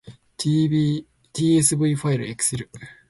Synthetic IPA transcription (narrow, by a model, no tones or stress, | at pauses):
t̪ii | t̪ʲiːes̬ɨbɯ̟iɸaiɾɯekɯ̟̥sɨɾɯ̟